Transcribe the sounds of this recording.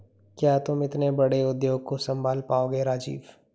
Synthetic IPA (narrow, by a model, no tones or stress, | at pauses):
kjaːt̪ʊmɪt̪nebɐɽeʊd̪joːɡ̚kosɐ̃mbʱaːlpaːoːɡeɾaːd͡ʒḭːʋ